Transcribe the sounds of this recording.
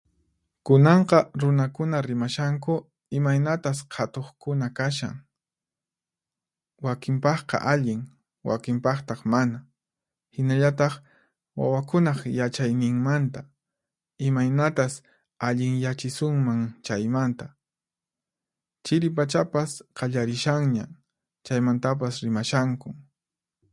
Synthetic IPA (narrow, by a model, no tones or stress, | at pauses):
kʊnɑɴqɑɾʊnakʊnaɾɪmaʃaŋkʊ | ɪmajnat̪asqʰat̪oχkʊnakaʃa̰ŋ | wakɪmpɑχqɑ̰ʔaʎɪŋ | wa̰kɪmpɑχt̪ɑχmana | hɪnaʎat̪ɑχ | wa̰wakʊnɑχjat͡ʃajnɪŋmant̪a | ɪmajnat̪as | aʎɪŋjat͡ʃɪsʊŋmaŋt͡ʃajmant̪a | t͡ʃɪɾɪpat͡ʃapasqɑʎaɾɪʃaŋɲa̰ | t͡ʃajmant̪ap̬asɾɪmaʃaŋkʊ